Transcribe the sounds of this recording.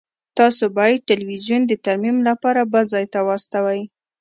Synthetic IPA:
t̪ɑsobɑjad̪̚ʈɪlwizjund̪ət̪aɾmimlapɑɾabəlzɑjt̪awɑst̪awaj

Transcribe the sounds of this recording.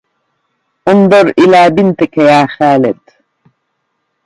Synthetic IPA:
und̪oɾilaːbint̪ekʰejaːxaːlet̪

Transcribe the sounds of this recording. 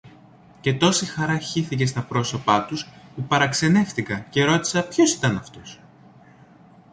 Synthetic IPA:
ce̞t̪o̞sixɐɾɐçiθic̬e̞st̪ɐpɾo̞so̞pɐt̪uspupɐɾɐkse̞ne̞fθikɐce̞ɾo̞t̪i̥sɐpço̞si̥t̪ɐnɐft̪o̞s

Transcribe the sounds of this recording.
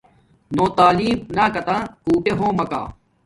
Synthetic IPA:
nõːt̪aːliːmnaːkɐt̪ãːkuːʈeɦõːmɐka̰ː

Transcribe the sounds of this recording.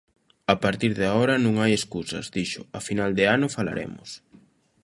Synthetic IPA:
apaɾt̪iɾðaɔɾɐnũŋajeskusɐ̰zd̪iʃʊafinald̪ɪanʊfala̰ɾḛmʊ̰s

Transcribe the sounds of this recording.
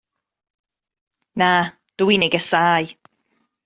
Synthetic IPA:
na | d̥uineɡɛsaːj

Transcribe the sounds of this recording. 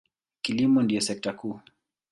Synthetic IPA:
kilimɔndijɔsɛk̚takuː

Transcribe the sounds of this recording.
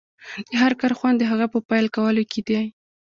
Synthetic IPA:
d̪̥əɦaɾkɑɾxwand̪ːəɦaɣapəpɑjlkawəlokʰed̪e

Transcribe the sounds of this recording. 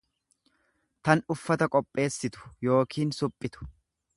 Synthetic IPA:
t̪ɐnʊfːɐt̪ɐkʼɔpʼːe̞ːsːɪt̪ʊ̥jo̞ːkʰiːnsʊpʼːɪt̪ʊ̥

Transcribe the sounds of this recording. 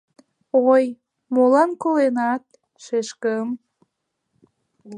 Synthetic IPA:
oj | molɑnkolenɑt̪̚ | ʃeʃkəm

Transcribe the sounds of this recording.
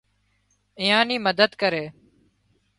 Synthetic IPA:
ɪːjãːniːməd̪əd̪kəɾeː

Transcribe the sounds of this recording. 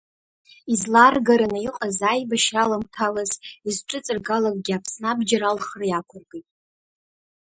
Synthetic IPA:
izlarɡaɾanaiqʼazajbaʃralamtʰalazizʈ͡ʂʼɨt͡sʼɨrɡalakʼɡʲɪapʰsnabd͡ʒaɾalχrjakʷʰʊrɡejtʼ

